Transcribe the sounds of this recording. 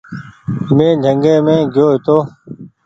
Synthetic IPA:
mẽːd͡ʒʱəŋɡẽːmẽːɡʱjoːɦɪt̪oː

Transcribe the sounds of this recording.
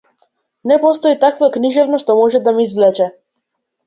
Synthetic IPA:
nɛpɔst̪ɔit̪akvakniʒɛvnɔʃt̪ɔmɔʒɛd̪amiizvlɛt͡ʃɛ

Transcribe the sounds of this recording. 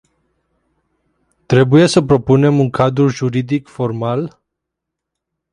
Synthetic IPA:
t̪ɾe̞buje̞səpɾo̞pune̞muŋkʰad̪ɾuʒuɾid̪ikfo̞rmal

